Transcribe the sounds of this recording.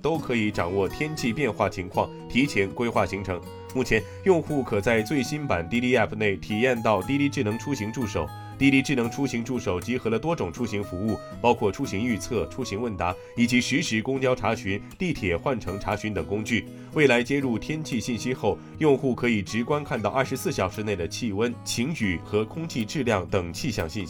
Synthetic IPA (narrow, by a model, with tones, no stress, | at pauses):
t̪o˥ʊkʰɤ˧˥i˧˥ʈ͡ʂɑ˨˩ŋwɔ˥˩t̪ʰjɛ˥nt͡ɕʰi˥˧pjɛ˥˧nxwa˥˩t͡ɕʰi˧˥ŋkʰwɑ˥˩ŋt̪ʰi˧˥t͡ɕʰjɛ˧˥nkwe˥ɪxwa˥˩ɕi˧˥ŋʈ͡ʂʰɤ˧˥ŋ | mu˥˩t͡ɕʰjɛ˧˥n | jʊ˥˧ŋxu˥˩kʰɤ˨˩t͡sa˥˧ɪt͡swe˥˩ɪɕi˥npa˨˩nt̪i˥˧li˥˧ɛ˥˩pʰne˥˩ɪt̪ʰi˨˩jɛ˥˧nt̪ɑ˥˩ʊt̪i˥˧li˥˧ʈ͡ʂɻ̩˥˩nɤ˧˥ŋʈ͡ʂʰu˥ɕi˧˥ŋʈ͡ʂu˥˩ʂo˨˩˦ʊ | t̪i˥li˥˧ʈ͡ʂɻ̩˥˩nɤ˧˥ŋʈ͡ʂʰu˥ɕi˧˥ŋʈ͡ʂu˥˩ʂo˨˩ʊt͡ɕi˧˥xɤ˧˥lə˧t̪wɔ˥ʈ͡ʂʊ˨˩ŋʈ͡ʂʰu˥ɕi˧˥ŋfu˧˥u˥˩ | pɑ˥ʊkʰwɔ˥˩ʈ͡ʂʰu˥ɕi˧˥ŋy˥˧t͡sʰɤ˥˩ʈ͡ʂʰu˥ɕi˧˥ŋwə˥˩nt̪a˧˥ | i˨˩t͡ɕi˧˥ʂy˧˥ʂɻ̩˧˥kʊ˥ŋt͡ɕjɑ˥ʊʈ͡ʂʰa˧˥ɕy˧˥nt̪i˥˩t̪ʰjɛ˨˩xwa˥˩nʈ͡ʂʰɤ˧˥ŋʈ͡ʂʰa˧˥ɕy˧˥nt̪ɤ˨˩ŋkʊ˥ŋt͡ɕy˥˩ | we˥˩ɪla˧˥ɪt͡ɕjɛ˥ɻu˥˩t̪ʰjɛ˥nt͡ɕʰi˥˧ɕi˥˩nɕi˥xo˥˩ʊ | jʊ˥˧ŋxu˥˩kʰɤ˧˥i˨˩ʈ͡ʂɻ̩˧˥kwa˥nkʰa˥˧nt̪ɑ˥˧ʊʔɐ˞˥˩ʂɻsɹ̩˥˩ɕjɑ˨˩ʊʂɻ̩˧˥ne˥˩ɪd̪ə˩t͡ɕʰi˥˩wə˥nt͡ɕʰi˧˥ŋt͡ɕy˨˩˦xɤ˧˥kʰʊ˥ŋt͡ɕʰi˥˧ʈ͡ʂɻ̩˥˧ljɑ˥˩ŋt̪ɤ˨˩ŋt͡ɕʰi˥˧ɕjɑ̰˥˧ŋɕi˥˩ni˥